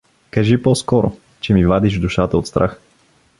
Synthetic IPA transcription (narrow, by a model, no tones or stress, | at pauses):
kɐʒipɔskɔɾo̰ | t͡ʃɛmivad̪iʒd̪uʃat̪əot̪st̪ɾʔax